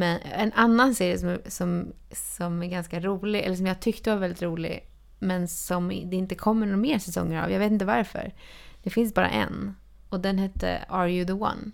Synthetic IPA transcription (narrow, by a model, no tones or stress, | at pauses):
mɛnɛnʔanːanseːɾɪəsɔmæsɔm | sɔmæɾɡanskaɾuːlɪɛ̰lːəʂɔmjaːhat̪ʰʏkt̪əvaɾvɛld̪ɪt̪ɾuːlɪ̰ɡ | mɛnsɔmd̪ɛɪnt̪əkʰɔmːəɳɔɾmeːsɛsɔ̰ŋːəɾa̰vjaveːt̪ɪnt̪əvaɾfœ̰ɾd̪ɛfɪnsbɑːɾa̰ʔɛ̰n | ɔd̪ɛnɦɛt̪ʰːə̰ɑːɾjʉðəwa̰n